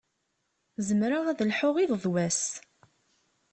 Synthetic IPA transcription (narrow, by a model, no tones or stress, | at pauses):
zəmɾaæðəlħʊʁiððˤwæs